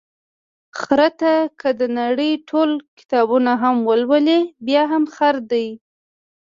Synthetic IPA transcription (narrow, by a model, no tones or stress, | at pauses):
xɾat̪akəd̪ənaɽəjʈʰolkɪ̥t̪ɑbunaɦamwəlwəlebjɑɦamxaɾd̪aj